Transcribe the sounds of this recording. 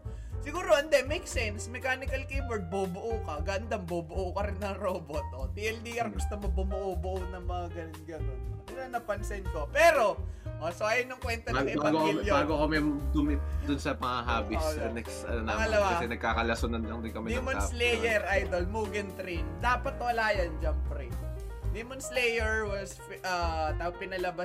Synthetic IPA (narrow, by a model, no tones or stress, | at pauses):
sɪɡuːɾoʔɐnd̪ɛmejksɛnsmɛkaːnɪkɐlkibɛɹd̪̚bobʊʔukɐɡɐʔɐnd̪ambobʊʔukɐɾɪnːɐŋɾoːbot̪̚ot̪iːʔɛld̪iʔɐɾɡʊst̪omɐbʊmʊʔobʊʔonɐŋmɐŋaɡɐnnɡɐnonɐɾɐnɐpɐnsɛnkopɛːɾo̞ʔosoʔɐjonjɐŋkwɛnt̪ɐbaːɡɪaaɡokjbaːɡokomɛmd̪ʊmd̪ʊnsɐpɐŋaɦaːbɪɐnɛksɐ̰nɐnaːmɐlɐwakɐsɛnɐɡ̚kaːkɐlɐsonɐnlɐŋd̪ɪŋkɐmɛimɐslejɛɾʔajd̪olmuːɡɛnt̪ɾind̪aːpɐt̪wɐlaːjɐnd͡ʒɐmpɾɛd̪imonslejɛɹwɐsfʔɐt̪aːopɪnɐlɐbɐ